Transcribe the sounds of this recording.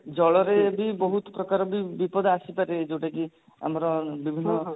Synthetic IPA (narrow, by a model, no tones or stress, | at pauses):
d͡ʒɔɭɔɾebibɔɦut̪ɔ̥pɾɔkaɾɔbibipɔd̪asipaɾed͡ʒeʈaki | a̰mɔɾɔbibʱinːɔ